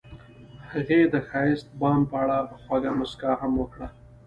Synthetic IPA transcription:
haɣed̪əxɑjɪst̪̚bɑmpəaɽapəxwaɡamʊskɑhamwəkɽa

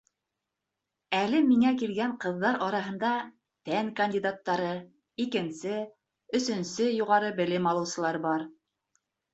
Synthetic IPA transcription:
ælɘmiŋækilɡæɴqɤ̆ðːɑɾɑɾɑɦɤ̆nd̪ɑ | t̪ænkɐnʲdʲid̪at̪ːɑɾɤ | ikɘ̆nsɘ | ɵ̆sɵ̆nsɘjuʁɑɾɤbɘ̆lɘmɑlˠɤ̆wsɤ̆lˠɑɾbɑɾ

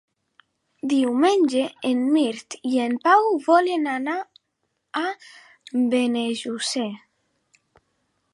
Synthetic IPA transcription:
d̪iwmenʲd͡ʒeenmiɾt̪iempawβɔlenana | a | beneʒuse

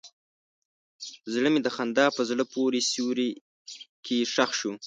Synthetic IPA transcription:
zɽəmed̪əxand̪ɑpəzɽəpoɾesjuwɾi | kʰeʂaxʃu

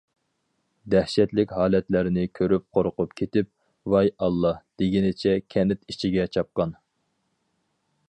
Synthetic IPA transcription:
d̪æhʃɛt̪lɪkʲhɑːlɛt̪læɾɪnɪkʲʰøɾyp̚qʰoɾqʰʊpkʲʰet̪ɪp̚ | wɑjɑlˠːɑd̪̥eɡʲinɪt͡ʃʰɛkʲʰɛnɪt̪it͡ʃʰiɡʲɛt͡ʃʰɑp̚qɑn

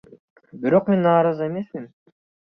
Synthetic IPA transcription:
biɾo̞qmenːɑːɾɑze̞me̞smin

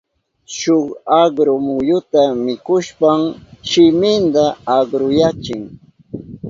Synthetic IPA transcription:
ʃoχɑɢɾʊmʊjʊt̪amɪkʊʃpamʃɪmɪnd̪aaɡɾʊjat͡ʃɪŋ

